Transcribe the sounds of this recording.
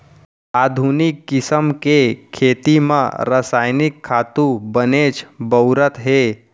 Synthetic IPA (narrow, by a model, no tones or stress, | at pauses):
aːd̪ʱuːnɪkːɪsəmkekʰeːt̪imã̰ɾəsaːjnɪkʰːaːt̪ũbəneːt͡ʃbəʊɾət̪ɦeː